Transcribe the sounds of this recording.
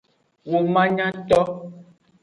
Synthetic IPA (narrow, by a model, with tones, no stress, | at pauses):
wo˨mã˦ɲã˦t̪ɔ˦